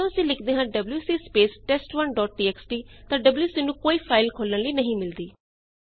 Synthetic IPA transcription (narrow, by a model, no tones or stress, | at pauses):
õsĩːlɪkʰd̪eːɦãːɖəbljuːsiːspeːsʈɛːsʈʋənɖɔːʈ̚ɖiːɛːksʈiːt̪ãːɖəbljuːsiːnũːkoːiːpʰaːɪlkʰoːlənləiːnəɦĩːmɪld̪iː